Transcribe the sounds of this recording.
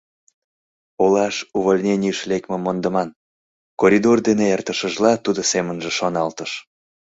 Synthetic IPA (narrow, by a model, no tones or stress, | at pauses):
olɑʃuβolʲnʲenʲijəʃlekmemond̪əmɑn | koɾʲid̪ord̪eneert̪əʃəʒlɑt̪ud̪osemənʒeʃonɑlt̪əʃ